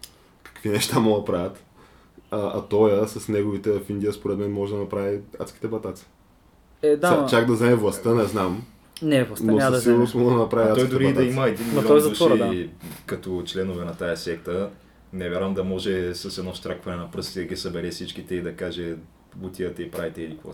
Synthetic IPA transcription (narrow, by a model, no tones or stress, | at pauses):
kɐ̥kvinɛʃt̪amɔɡ̪pɾavʲət̪ | ɐɐ̰t̪ɔjəsɐsnɛɡovit̪ɛvfind̪ʲijəspoɾɛt̪mɛnmɔʒɛd̪ɐnɐpɾaviat̪sk̟i̥t̪ɛbɐt̪at̪si̥ | ɛd̪aat͡ʃaɡd̪ɐznaɛvlˠɐst̪ənɛznam | nɛvlˠɐsnoɐsˠosmɔɡəd̪ɐnɐpɾaviat̪ɔsɔjid̪ʊɛɾiɐd̪ɐiməɛd̪inmiɐlɔɔjzduʃɾ | kɐt̪ot͡ʃlɛnʊvɛnɐt̪ajɐsɛk̚t̪ə | nɛvʲjaɾvəmd̪ɐmɔʒɛsɐsɛd̪nɔst̪ɾakvɐnɛnɐpɾɤst̪id̪ɐɡʲisɐbɛɾɛfsit͡ʃkit̪ɛid̪ɐkaʒɛ | ut̪ʲiət̪ɛipɾavit̪ɛilikvo̰